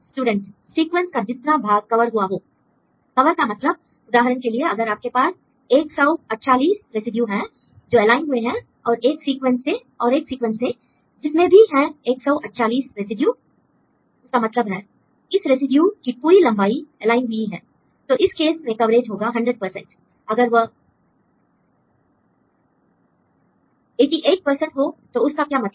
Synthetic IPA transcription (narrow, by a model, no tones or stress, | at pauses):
sʈuːɖə̃ɳʈ | siːkwə̃nskad͡ʒɪt̪nabʱaːɡkɐʋəɾɦuaɦoː | kɐʋəɾkamɐt̪ləb̚ | ʊd̪aːɦɾənkelieɐɡəɾaːp̚kepaːs | eːksɔʊɐʈʃaːliːsɾesɪɖjuɦɛ̃ | d͡ʒoːɛlaːɪnɦʊeɦɛ̃ | ɔːɾeːksiːkwə̃nsːe | ɔːɾeːksiːkwʋə̃nsːe | d͡ʒɪsmẽbʱiɦɛ̃eːksɔːʔɐʈʃaːliːsɾezɪɖjuː | ʊskamɐt̪ləbɦɛː | ɪsɾesɪɖjukipuːɾilɐ̃mbaːiɛlaːɪnɦʊiɦɛ̃ː | t̪oːʔɪskeːsmẽkɐʋɾeːd͡ʒɦoːɡaːɦɐ̃ɳɖɾəɖ̚pəɾsɛ̰̃ɳʈ | ɐɡəɾʋə | eːʈiʔeːʈ̚pəɾsə̃ɳʈɦot̪oʊskakjaːmɐt̪